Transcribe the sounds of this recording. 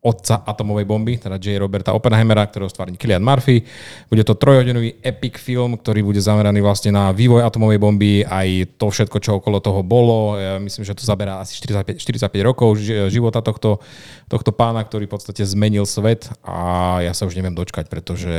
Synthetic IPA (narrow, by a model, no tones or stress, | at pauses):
ɔt̪̚t͡saʔat̪ɔmɔʋɛjbɔmbit̪ɛd̪ad͡ʒɛjɾɔbɛɾt̪aʔɔpɛnaɦɛmɛɾak̚t̪ɔɾɛɔst̪ʋaːɾɲikilɪanmaɾfibuɟɛt̪ɔt̪ɾɔjɦɔɟinɔʋiːɛpikfilmkt̪ɔɾiːbuɟɛzamɛɾaniːʋlasɲɛnaʋiːʋɔjat̪ɔmɔʋɛjbɔmbiajt̪ɔfʃɛt̪kɔt͡ʃɔɔkɔlɔt̪ɔɦɔbɔlɔjamisliːmʒɛɔt̪ɔzabɛɾaːasi̥ʃt̪iɾit͡sac̚pɛʃt̪iɾit͡sac̚pɛɟɾɔkɔʊʒiʋɔt̪at̪ɔxt̪ɔ | t̪ɔxt̪ɔpaːnak̚t̪ɔɾifpɔt̪st̪acɛzmɛɲilsʋɛt̪ʔa̰jasauʒɲɛʋɪɛmd̪ɔt͡ʃkac̚pɾɛt̪ɔʒɛ